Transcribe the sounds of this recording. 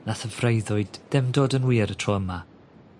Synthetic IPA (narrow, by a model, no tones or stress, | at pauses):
naθəvrejðʊɨdɛmdoːdənwiːɾətʰrɔəma